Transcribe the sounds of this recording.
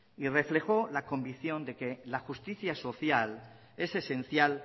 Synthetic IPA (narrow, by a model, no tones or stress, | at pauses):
ire̞fle̞xo̞lako̞mbiθjo̞nd̪e̞ke̞laxust̪iθjaso̞θjal | e̞se̞sẽ̞n̟θjal